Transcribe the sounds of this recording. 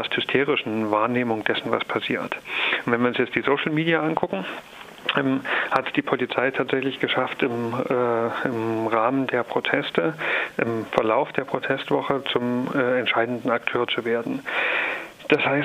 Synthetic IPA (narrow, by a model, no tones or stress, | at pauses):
asthʏstʰeːʁɪʃn̩vaːɐneːmʊŋd̥ɛsn̩va̰spʰasiːɐtnvɛnviːɐʊnsjɛt͡std̥iːzoʊʃl̩miːdiaʔankʰʊkŋ̩ | ʔɛmhatd̥iːpʰolit͡saɪtʰaːtz̥ɛçlɪçɡ̥əʃaftɪmɛːɪmʁaːməndeːɐpʁ̥otʰɛstəʔɪmfɛɐlaʊfd̥eːɐpʁ̥otʰɛstv̥ɔχət͡sʊmɛːɛntʃaɪdn̩dn̩ak̚tʰøːɐt͡suveːɐdn̩ | d̥ashaɪs